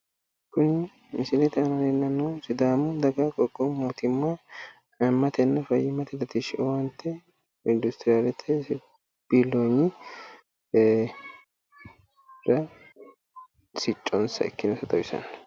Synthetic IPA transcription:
kʊn | mɪsɪlɛt̪ɛɐmɐlɛnːɐnːusɪd̪aːmʊd̪ɐɡɐkʼɔɡʼːɔmuːt̪ɪmːa | ɐmːɐt̪ɛnːɐfɐjːɪmɐt̪ɛd̪ɐt̪ɪʃɪʔɔwɐnt̪ːɛ | ɪnd̪ʊst̪ɪɾɪjaːlɛt̪ʰːɛ | b̥iːlːoɲːɪ | ɾɐ | sɪt͡ʃʼːɔnsɐ̰ɛ̰kːɪnɐsɐt̪ʼɐwɪsɐ̰n

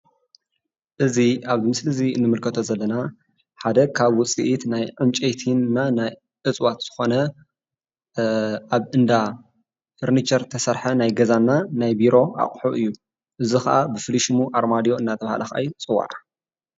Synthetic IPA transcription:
ʔɨziaβɨmɨslɨziɨnːɨmɨlkʰɐt̪ʰozɐlːɐna | ħad̪ɐkʰaβwʊt͡sʼḭʔit̪najʕɨmt͡ʃʼejt̪ʰinːanaj | ʔɨt͡sʼwat̪z̥ɨ̥xo̞nɐ | aβɨnd̪a | fɨɾnit͡ʃɐɾt̪ʰɐsɐɾħɐnajɡɐzanːanajbiɾo̞ʔa̰χʼħuʔɨjːu | ʔɨzixɐ̰ʔabɨfɨliʃmuʔaɾmad̪ijo̞ɨnːat̪ʰɐβaha̰lʔɐxʔa̰jut͡sʼɨwa̰ɾa

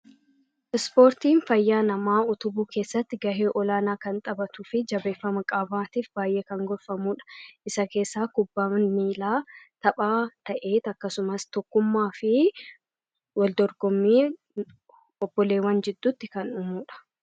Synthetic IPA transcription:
ʔɪspoːɾt̪iːnfɐjːaːnɐmaːʊt̪ʊbuːkʰe̞ːsːɐt̪ːɪɡɐheːʔɔlaːnaːkɐnt̪ʼɐbɐt̪ʊfɪd͡ʒɐbe̞ːfːɐmɐkʼɐːbaːt̪iːfbaːjʔeːkɐŋɡɔlfɐmuːᶑɐ̥ʔɪsɐke̞ːsːaːkʊbːamiːlaːt̪ɐpʼaːt̪ɐʔeːt̪ɐkːɐsʊmɐst̪ɔkːʊmːaːfɪ | wɐld̪ɔɾɡɔmːiː | ɔb̥ːɔleːwɐnd͡ʒɪd̪ːuːt̪ːɪkɐnʊmuːᶑɐ̥

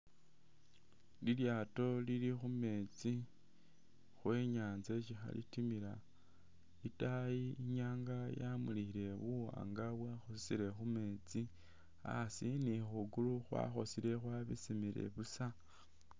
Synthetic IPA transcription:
liljaːto̞lilixume̞t͡si | xweːɲaːnzet͡ʃixa̰lḭtimila | itajiiɲaːŋɡajamuliile̞βuwa̰ːŋɡaβwaxosisiɾe̞xume̞t͡si | a̰sinixuɡuluxwa̰xo̞sile̞xwaβḭsimile̞̰βusa

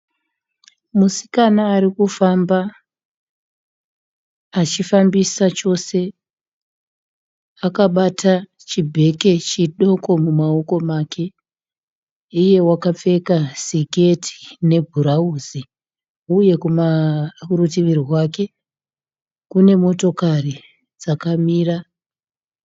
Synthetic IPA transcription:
musi̥kanaːɾikufamba | t͡ʃifambisat͡ʃo̞se̞ | akaɓatʰa | t͡ʃibʱe̞ke̞t͡ʃiɗo̞ko̞mumao̞ko̞maːke̞ | ije̞wakap͡fe̞kasike̞tʰi̥ne̞bʱuɾauzi | uje̞kumaurutiʋiriɦwake̞ | kune̞mo̞to̞kari | d͡zakamiːra

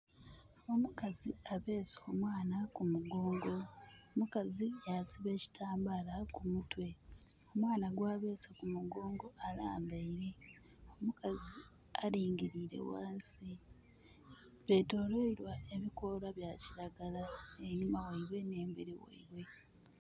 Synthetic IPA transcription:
omukaziaβe̞ːso̞ːmwaːnakumuɡo̞ːŋɡo̞mukazijasiβe̞ːci̥tʰaːmbalakumutwe̞ | o̞mwaːnaɡwaːβe̞ːsakumuɡo̞ːŋɡo̞alaːmbeiɾe̞ | o̞mukazi | aɾiːŋɡiɾiːɾe̞̰wa̰ːnsi | βe̞to̞ːloiɾwaʔe̞βiko̞laβjaːciɾaɡalaeɲimawaiβwe̞ne̞ːmbiɾiwḛiβwe̞

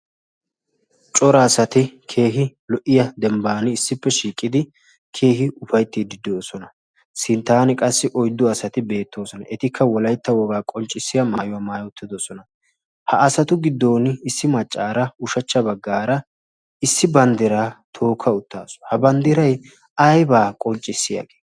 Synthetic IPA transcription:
t͡ʃʼɔɾɐːsɐt̪ɪkʰe̞ːɦɪlɔʔɪjɐd̪ɛmbaːnɪːsːɪpːɛʃiːkʼːɪd̪ɪ | kʰe̞ːɦɪʊfɐjt̪ːɪd̪ɪd̪oːsɔnɐ | sɪnt̪ːaːnɪkʼɐsːɪʔɔjd̪ːʊɐsɐt̪ɪbe̞ːt̪ːo̞ːsɔnɐ̰ʔɛt̪ɪkʰːɐwɔlɐjt̪ːɐwɔɡaːkʼɔnt͡ʃʼːɪsːɪjɐmaːjʊwɐmaːjʊt̪ːɪd̪osɔnɐ | hɐɐsɐt̪ʊɡɪd̪ːo̞ːnɪsːɪmɐt͡ʃʼːaːɾɐʊʃɐt͡ʃːɐbɐɡːaːɾɐ | ɪsːɪbɐnd̪ɪɾaːt̪ʰo̞ːkʰːɐʊt̪ːaːsɔ̥hɐbɐnd̪ɪɾɐj | ɐjbaːkʼɔnt͡ʃʼːɪsːɪja̰ːɡeː

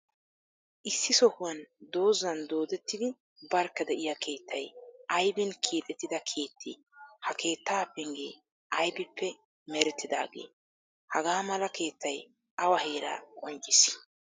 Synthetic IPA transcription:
ʔɪsːɪsɔhʊwɐnd̪o̞ːzːɐnd̪o̞ːd̪ɛt̪ːɪd̪ɪ | bɐɾkːɐd̪ɛʔɪjakʰe̞ːt̪ʰːɐjʔɐjbɪnkʰiːt̪ʼɛt̪ːɪd̪ɐkʰe̞ːt̪ʰːɪ̰ | hɐkʰe̞ːt̪ːaːpːɪŋɡḛː | ʔɐjbɪpːɛ | mɛɾɛt̪ːɪd̪a̰ːɡe̞̰ː | hɐɡaːmɐlɐkʰe̞ːt̪ːɐj | ʔɐwɐhe̞ːɾa̰ːkʼɔnt͡ʃʼːɪs

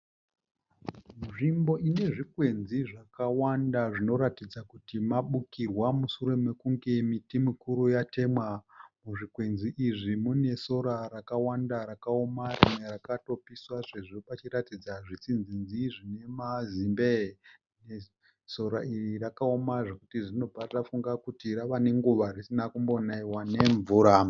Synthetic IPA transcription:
muʐimbo̞ʔine̞ʐikwe̞nziʐakawandaʐino̞ɾatid͡zakutimaɓukirwamusuɾe̞me̞kuŋɡe̞mitimikuɾujate̞ːmwamuʐikwe̞nziʔiʐimune̞so̞ɾaɾakawandaɾakaomarimwe̞rakato̞piswaʐeʐopat͡ʃiratid͡zaʐit͡sinzinziʐine̞mazimbe | ne | so̞ɾairiɾakaomaʐe̞kutiʐino̞b͡vʱatafuŋɡakutiɾaʋane̞ŋɡuʋarisinakumbo̞naiwane̞ɱvuːɾa

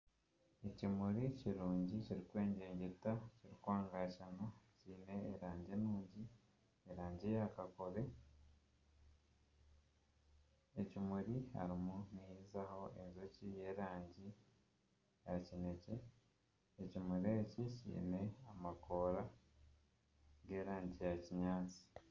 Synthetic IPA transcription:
ecimuɾiciɾuːɲɟiciɾikwe̞ːɲɟeːɲɟetaciɾikwaːŋɡaʃanociːne̞ːɾaːɲɟenuːɲɟi | eɾaːɲɟijakako̞ɾe̞ | ecimuɾiha̰ɾimunihiːzaho̞ʔezo̞cije̞ːɾaːɲɟi | jacine̞ce̞ | ecimuɾe̞ːcicḭːne̞amakʰo̞ːɾa | ɡe̞ːɾaːɲɟijaciɲaːt͡si̥

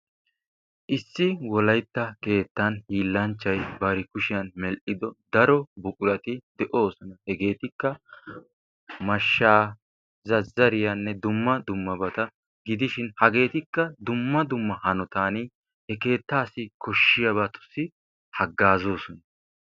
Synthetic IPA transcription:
ʔɪsːɪwɔlɐjt̪ːɐke̞ːt̪ːɐnhiːlːɐnt͡ʃːɐjbɐɾɪkʊʃɪjɐnmɛlʔɪd̪ɔd̪ɐɾɔbʊkʼʊɾɐt̪ɪd̪ɛʔo̞ːsɔnɐhɛɡe̞ːt̪ɪkːɐ | mɐʃːaː | zɐzːɐɾɪjɐnːɛd̪ʊmːɐd̪ʊmːɐbɐt̪ɐ | ɡɪd̪ɪʃɪnhɐɡe̞ːt̪ɪkːɐd̪ʊmːɐd̪ʊmːɐhɐnɔt̪aːniː | hɛke̞ːt̪ːaːsɪkɔʃːɪjɐβɐt̪ʊ̥sːɪ | hɐɡːaːzoːsɔnɐ

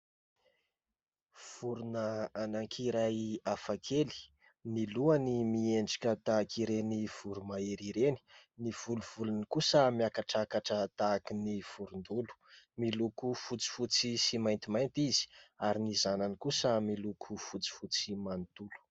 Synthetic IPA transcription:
v̥uɾunəanaŋkʰiɾajafakʰeli̥ | niluanimieɳɖ͡ʐḁkʲət̪akʰiɾeniv̥uɾumaeɾiɾeni̥niv̥uluv̥ulunkusəmijakaʈ͡ʂakaʈ͡ʂət̪akiniv̥uɾund̪ulu̥milukufut͡si̥fut͡sisimajnt̪imajnt̪izi̥aɾinizananikusəmilukʰufut͡si̥fut͡simant̪ulu̥

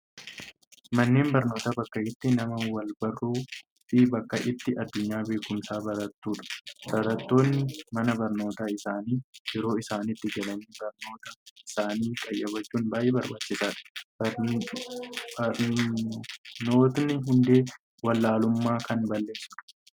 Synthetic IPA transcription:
mɐnːe̞ːnbɐɾno̞ːt̪ɐbɐkːɐʔɪt̪ːɪnɐmɐwɐlbɐrːuː | fɪbɐkːɐʔɪt̪ːɪɐd̪ːʊɲːaːbe̞ːkːʊmsaːbɐɾɐt̪ːuːᶑɐ̥bɐɾɐt̪ːo̞ːnːɪmɐnɐbɐɾno̞ːt̪aːɪsaːniːjɛɾo̞ːɪsaːnɪt̪ːɪɡɐlɐniːbɐɾno̞ːt̪ɐɪsaːniːkʼɐjːɐbɐt͡ʃːuːnbaːjʔeːbɐɾbaːt͡ʃːɪsaːᶑɐ̥b | ɐɾ | noːt̪nɪɦʊnd̪e̞ː | wɐlːaːlʊmːaːkɐnbɐlːe̞ːsːʊᶑɐ̥

